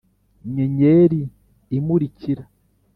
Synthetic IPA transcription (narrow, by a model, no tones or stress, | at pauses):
ɲeɲeɾiː | muɾiciɾa